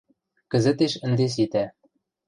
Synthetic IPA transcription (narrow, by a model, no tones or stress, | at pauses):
kɘ̆zɘ̆t̪eʃɘ̆nd̪es̬it̪æ